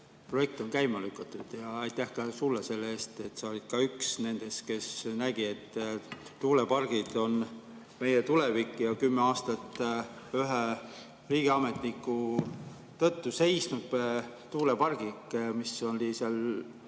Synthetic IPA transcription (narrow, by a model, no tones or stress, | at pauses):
pro̞je̞k̚t̪o̞ŋkæjmɑlykːˑɑt̪ːˑud̪̥jɑɑjt̪ːˑæhkɑsulːese̞lːee̞ːst̪e̞t̪ːˑseolid̪̥̚kɑyksne̞nd̪̥e̞ske̞snæɡ̥ie̞t̪ːt̪uːlepɑrɡ̥id̪̥o̞n | me̞jet̪ulevikːˑjɑkymːeɑːst̪ɑt̪ː | yɦe | riːɡ̥iɑme̞t̪nikːˑu | t̪ɤt̪ːuse̞jsnud̪̥̚t̪uːlepɑrɡ̥ikmisolʲisel